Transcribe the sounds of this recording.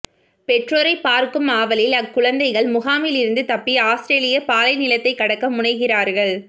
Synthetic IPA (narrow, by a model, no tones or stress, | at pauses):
pɛʈroɾɐɪpːaːɾkɯmaːʋɐlɪlɐkːʊɻɐnd̪ɐɪɣɐɭmʊɣaːmɪlɪɾɯnd̪ɯt̪ɐpːiaːst̪ɾeːlɪjɐpaːlɐɪnɪlɐt̪ːɐɪkːɐɽɐkːɐmʊɳɐɪɣɪraːɾɣɐɭ